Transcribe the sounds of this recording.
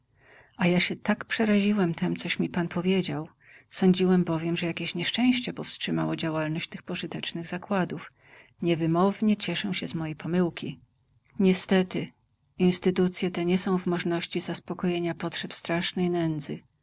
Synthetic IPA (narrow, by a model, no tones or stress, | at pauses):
ajaɕɛt̪akpʂɛɾaʑiwɛmt̪ʰɛmt̪sɔɕmʲipanpʰɔvʲjed͡ʑaw | sɔɲd͡ʑiwɛmbɔvʲjɛmʐɛjakʲeɕɲɛʂt͡ʂɛ̃w̃ɕt͡ɕɛpɔfstʂɘmawɔd͡ʑawalnɔɕt͡ɕt̪xpɔʐɨt̪ɛt͡ʂnɘɣzakwad̪uf | ɲɛvɘmɔvɲɛt͡ɕɛʂɛw̃ɕɛzmɔjɛjpʰɔmɘwkʲi | ɲɛst̪ɛt̪ɘ | inst̪ɘt̪ut̪sʲjɛt̪ɛɲɛsɔ̃w̃vmɔʐnɔɕt͡ɕizaspɔkɔjeɲapɔtʂɛpst̪ɾaʂnɛjnɛnd̪zɘ